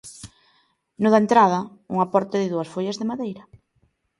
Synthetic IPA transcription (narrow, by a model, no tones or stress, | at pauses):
nʊðɐaent̪ɾaðɐṵŋapɔɾt̪ɪðɪðuɐsfoʎazðɪmaðejɾɐ